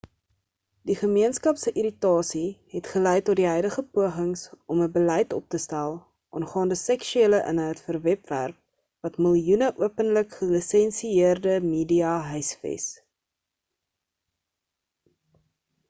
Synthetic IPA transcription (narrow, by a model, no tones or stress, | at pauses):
diχəmiənskɐpsəʔiɾitɑːsiɦɛtχəlɛjtɔrdiɦœjdəχəpuəχəŋsʔɔməbəlɛjtɔ̰p̚təstælˠ | ʔɑ̰ːnχɑːndəsɛkʃyeːləʔə̰nɦəjtfərvɛpvæ̰rp̚ | vɐtməlˠjunəʔuəpənləkχəlisɛnsiiərdəmiːdiɑɦœɥsfḛs